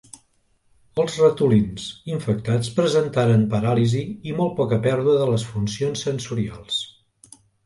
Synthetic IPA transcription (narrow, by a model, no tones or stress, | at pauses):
əlˠzrət̪ulinziɱfək̚t̪at͡spɾəzənt̪aɾənpəɾaliziːmɔlˠt̪̚pɔkəpɛɾðuəðələsfunsionsːənsuɾia̰lˠs